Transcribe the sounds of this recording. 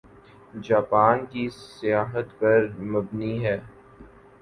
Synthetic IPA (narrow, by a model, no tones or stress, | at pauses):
d͡ʒaːpaːnkisɪjaːɦət̪pɐɾmɐbniɦɛː